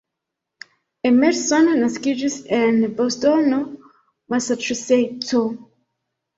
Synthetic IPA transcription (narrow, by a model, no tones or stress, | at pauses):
ɛmɛɾsɔnnaskid͡ʒisɛnbɔstɔno | masatɹisetʰo